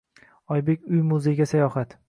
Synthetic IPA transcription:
ɒjbe̞kʲʊjmʊzeɡʲasajɒhat̪

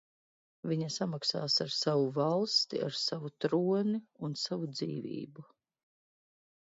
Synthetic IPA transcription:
viɲasamaksaːsaɾsavuvalˠst̪ḭa̰ɾsavut̪ɾuɔniunsavud̪zḭːvḭːbu

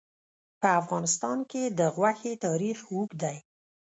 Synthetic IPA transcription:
pəafɣɑnɪst̪ɑnked̪əɣwaxet̪ɑɾixwukd̪aj

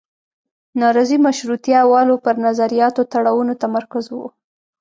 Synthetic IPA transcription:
nɑɾɑzimaʃɾut̪jawɑlopəɾnazaɾijɑt̪ot̪aɽawunot̪amaɾkazwo

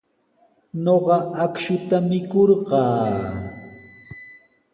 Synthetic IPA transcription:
noɢɑakʃʊt̪amɪkoɾɢɑː

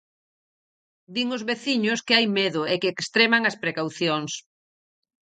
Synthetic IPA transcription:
d̪iŋʊzβeθiɲʊskɪajmeðʊekeːkst̪ɾemaŋɐspɾekawθjoŋs

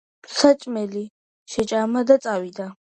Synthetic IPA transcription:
msat͡ʃʼmɛli | ʃɛt͡ʃʼamad̪at͡s̪ʼawid̪a

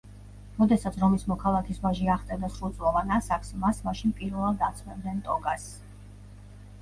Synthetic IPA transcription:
mɔd̪ɛsat̪sʰɾɔmismɔkʰalˠakʰisvaʒiaχt̪ʼɛd̪asɾulˠt̪sʼlˠɔvanasakʰsmasmaʃinpʼiɾvɛlˠad̪at̪sʰmɛbd̪nɛnt̪ʼɔɡas

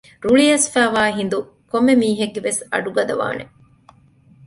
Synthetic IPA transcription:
ɾuɭijɐsfæːʋaːɦind̪u | komːemiːɦeɡːeʋesɐ̰ɖuɡɐd̪ɐʋa̰ːne

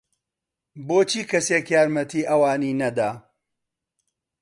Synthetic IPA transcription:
boːt͡ʃʰiːkʰɐseːkjaːɾmɐt̪ʰiːʔɐwaːniːnɐd̪aː

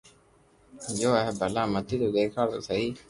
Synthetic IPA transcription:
d͡ʒoːəɦebʱəlaːmət̪ʰiːt̪oːɗ̪eːkʰaːt̪o̰ːsəɦiː

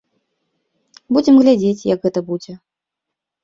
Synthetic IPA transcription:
bud͡zʲɛmɣlʲad͡zʲet͡sʲjɐ̰kɣɛt̪ɐbud͡zʲɛ

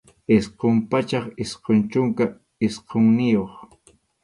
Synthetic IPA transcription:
ɪsqompat͡ʃɑχɪsqont͡ʃʊŋka | ɪsqoŋnɪjoχ

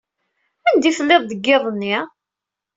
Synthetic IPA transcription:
ænd̪ifəlːeðˤd̪əɡːeðˤənːi

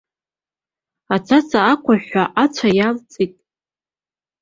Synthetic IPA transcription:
at͡sʰat͡sʰʼaːkʷʰaħʷaʔat͡sʷʰajalt͡sʼitʼ

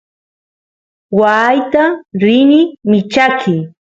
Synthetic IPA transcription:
wajt̪aɾɪnɪmɪt͡ʃakʰɪ

